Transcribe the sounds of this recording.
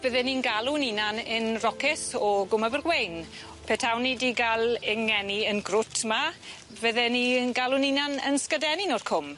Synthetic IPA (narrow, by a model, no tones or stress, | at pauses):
b̥əðɛninɡalˠʊninanɪnrɔkɪθɔɡʊməvərɡwejn | pʰɛtʰawnidiːɡalˠɪŋɛniənɡrʊtʰma | vəðɛniənɡalˠʊninanə̰nskədɛninɔr̥kʰʊm